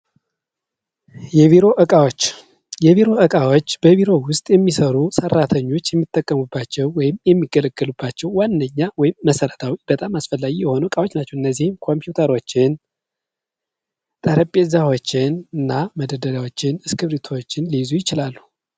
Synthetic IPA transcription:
jɛβiɾo̞ʔɨkʼawot͡ʃː | jɛβiɾo̞ʔəkʼawot͡ʃːb̥əβiɾo̞wʊst̪ʼjɛmːisəɾusərːat̪ʰəɲːo̞t͡ʃːjɛmːit̪ʼːəkʼːəmubːat͡ʃːɛwːɔjɪmjɛmːiɡələɡəlubːat͡ʃːɛwːanːəɲːawɔjɪmːəsəɾət̪ʰawib̥ət̪ʼamasfəlːaɡijɛho̞nuəkʼawot͡ʃːnat͡ʃːɛwʔɨnːəzːihɨmkʰo̞mpjut̪ʰəɾo̞t͡ʃːɪn | t̪ʼəɾəpʼezawo̞t͡ʃːɪnɨnːaməd̪əd̪əlawo̞t͡ʃːɪnɨskɨβɾit̪ʰot͡ʃːɪnlizujɪt͡ʃɪlalːu

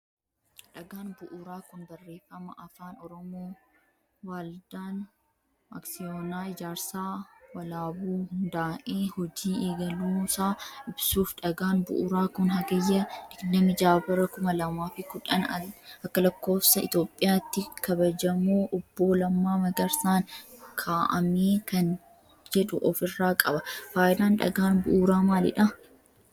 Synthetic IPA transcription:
ᶑɐɡaːnbʊʔʊɾaːkʊnbɐrːe̞ːfːɐmɐʔɐfaːnɔɾɔmoː | waːld̪aːn | ma̰ːksɪjoːnaːɪd͡ʒaːɾsaːwɐlaːbuːhʊnnd̪aːʔeːhɔd͡ʒiːeːɡɐluːsaːʔɪbsuːfᶑɐɡaːnbʊ̰ʔʊɾaːkʊnɦɐɡɐjːɐᶑɪɡnɐmɪd͡ʒaːbɐɾɐkʊmɐlɐmaːfɪkʊᶑɐnɐkːɐlɐkːo̞ːfsɐɪ̰t̪o̞ːpʼːɪjaːt̪ːɪkɐbɐd͡ʒɐmoːʔɔbːo̞ːlɐmːaːmɐɡɐɾsaːnkʰaːʔɐ̰meːkɐn | d͡ʒɛᶑʊʔɔfɪrːaːkʼɐbɐfaːjɪd̪aːnᶑɐ̰ɡaːnbʊʔuːɾaːmaːlɪ̰ᶑɐ

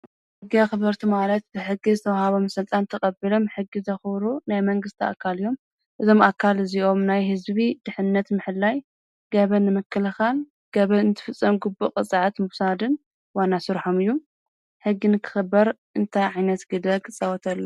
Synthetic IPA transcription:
ħɨɡːiaxɨβɐɾt̪ʰumalɐt̪̚bɨħɨɡizɨt̪ʰɐwhaβo̞msɨlt̪ʼant̪ʰɐxʼɐbilo̞mħɨɡːizɐxβɾunajmɐŋɡɨst̪ʰia̰kʰːalijo̞m | ʔɨzo̞mʔakʰːalɨziʔo̞mnajhɨzβid̪̥ɨħɨnːɐt̪mɨħɨlːaj | ɡ̥ɐβɐnɨmɨkʰːɨlɐxal | ɡ̥ɐβɐɨnt̪ʰɨ̥fɨt͡sʼːɐmɡubːukʼɨt͡sʼʕat̪mɨwsad̪ɨn | wanasɨɾħomɨjːu | ħɨɡːinɨkʰɨ̥xɨbːɐɾʔɨnt̪ʰajʕajnɐt̪ɡ̥ɨd̪ɐɡt͡sʼɐwɔt̪ʰɐlːu

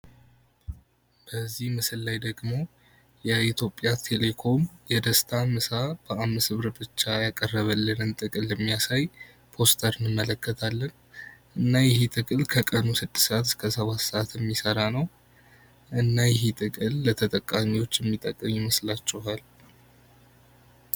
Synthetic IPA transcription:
b̥əzːihmɨsɨlːajd̪əɡmo̞ | jɛit̪ʰjo̞pʼjat̪ʰe̞le̞kʰo̞mjɛd̪əst̪ʰamɨsab̥əamːɨsɨβɾbɨt͡ʃːajakʼərːəβəlːɨnɨnt̪ʼɨkʼɨlːəmːijasaj | pʰo̞st̪ʰəɾɨnːɨmːələkʰːət̪ʰalːən | ʔɨnːajɛɦet̪ʼɨkʼɨlkʰəkʼənusɨd̪ːɨ̥sʔat̪ɨ̥skʰəsəβat̪səat̪ʰjɛmːisəɾanəw | ʔɨnːajɛɦit̪ʼɨkʼɨlːət̪ʰət̪ʼəkʼːamiwo̞t͡ʃːjɛmːit̪ʼəkʼːəmɪməslat͡ʃːɛɦal

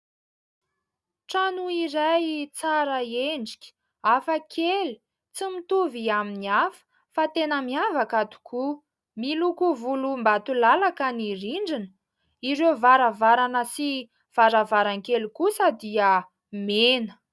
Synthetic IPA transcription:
ʈ͡ʂanuiɾajt͡saɾəeɳɖ͡ʐi̥kʲi̥ | afakʰeli̥ | t͡simit̪uviaminiafə̥ | fat̪enəmiavakat̪u̥kʰu | milukuvulumbat̪ulalakəniriɳɖ͡ʐinə̥ | iɾewvaɾəvaɾanəsi | v̥aɾavaɾaŋkelikusəd̪iə | menə

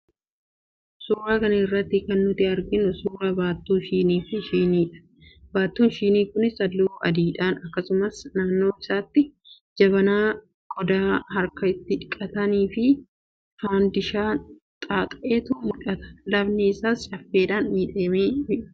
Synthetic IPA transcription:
suːɾɐkɐnɪrːɐt̪ːɪkɐnːʊt̪ɪɐɾɡɪnʊsuːɾɐbaːt̪ːuːʃiːniːfɪʃiːniːᶑɐ̥ | baːt̪ːuːnʃiːniːkʊnɪsɐlːuːɐ̰d̪iːᶑaːnɐkːɐsʊmɐsnaːnːo̞ːɪsaːt̪ːɪ | d͡ʒɐβɐnaː | ɡʼɔd̪aːhɐɾkɐɪt̪ːɪᶑɪkʼːɐt̪ɐniːfɪ | faːnd̪ɪʃaː | t̪ʼaːt̪ʼɐʔeːt̪ʊmʊᶑɐt̪ɐ̥lɐbnɪːsaːst͡ʃɐfːeːᶑaːnːiːᶑeːmeːɪ

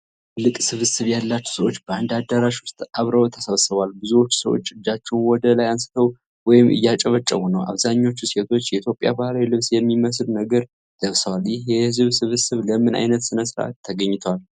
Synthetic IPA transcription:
lɨkʼsɨβɨsɨβjalːat͡ʃːu̥səwo̞t͡ʃːbəand̪ad̪əɾaʃwʊst̪ʼaβɾəwt̪ʰəsəβsɨβalbɨzuwo̞t͡ʃːsəwo̰t͡ʃːɨd͡ʒat͡ʃːɛwnwɔd̪əlajansɨ̥t̪ʰəw | wɔjɪmʔɨ̰jːat͡ʃʼəβət͡ʃʼːə̰wunəwʔa̰βzaɲːo̞t͡ʃːuset̪ʰo̞t͡ʃːjɛit̪ʰjo̞pʼja̰bahlawjlɨβsjɛmːiməslnəɡəɾ | d̪̥əβsəwaljɪhjɛhɨzβsɨβɨsɨβləmɨna̰jnət̪sɨnəsɨɾʔa̰t̪ʰːəɡəɲːɪt̪ʰwal

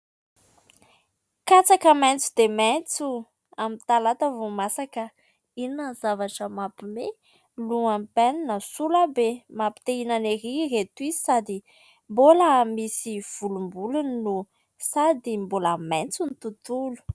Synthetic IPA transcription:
kat͡sakəmɛnt͡sud̪emɛnt͡su | amit̪alat̪avumasakə | inəzavaʈ͡ʂəmapime | luampɛninəsulabemapi̥t̪einaneɾiret̪uizi̥sad̪i | mboləmisiv̥ulumbuluninu | sad̪imboləmɛnt͡sunit̪ut̪ulu̥

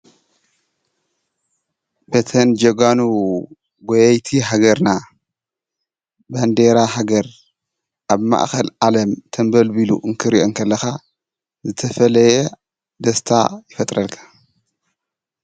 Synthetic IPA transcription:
bet̪ʰɐnd͡ʒɐɡanu | ɡojɐjt̪ʰiɦaɡɐɾna | band̪eɾaɦaɡɐɾ | ʔaβma̰ʔxɐlʔalɐmt̪ʰɐmbɐlbilṵʔɨŋkʰɨɾiʔo̞ŋkʰɐlːɐxa | zɨt̪ʰɐfɐlɐjɛ | d̪ɐst̪ʰa̰jɪfɐt̪ʼɾɐlkʰḁ

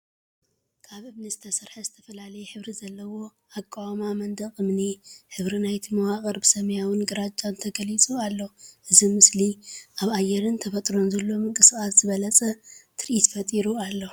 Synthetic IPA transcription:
kʰaβɨβnɨzɨt̪ʰɐsɨɾħɐzɨt̪ʰɐfɐlalɐjɛħɨβɾizɐlːɐwo̞ | akʼːawamamɐnd̪ɐχʼɨmniħɨβɾinajt̪ʰimɐwakʼɐɾbɨsɐmjawɨnɡɨɾad͡ʒʼant̪ʰɐɡɐlit͡sʼualːoʔɨzimɨsliʔaβajɛɾɨnt̪ʰɐfɐt̪ʼɾo̞nzɐlːo̞mɨŋkʼɨskʼasz̥ɨβɐlɐt͡sʼɐt̪ʰɨɾʔit̪fɐt̪ʼiɾualːo

